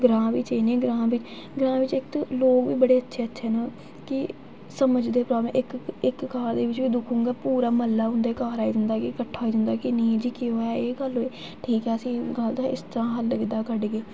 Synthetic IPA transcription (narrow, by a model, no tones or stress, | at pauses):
ɡɾãːʋiːt͡ʃəiːnẽːɡɾãːʋɪt͡ʃ | ɡɾãːʋɪt͡ʃɪkt̪loːkʋiːbəɽeːətːʃʰeːətːʃʰeːnaː | kɪ | səməd͡ʒd̪eːpɾaːblmʔɪkɪkːaːɾd̪eːʋɪt͡ʃʋiːd̪ʊkʰũːŋɡaːpuːɾaːməlːaːɦʊ̃nd̪eːkaːɾaːiːd̪ɪnd̪aːkikəʈʰːaːiːd̪ɪnd̪aːkɪnĩːd͡ʒiːkɪɦoːaːeːɡəloiː | ʈʰiːkɛːəsĩːɡəld̪aːɪ̰st̪əɾãːɦəlːɡɪd̪aːkəɖɡeː